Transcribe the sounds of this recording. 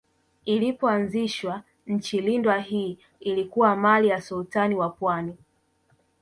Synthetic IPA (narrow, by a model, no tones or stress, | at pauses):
ilipɔanziʃwa | ɲ̩t͡ʃilindwaɦiː | ilikuwamalijasultaniwapwani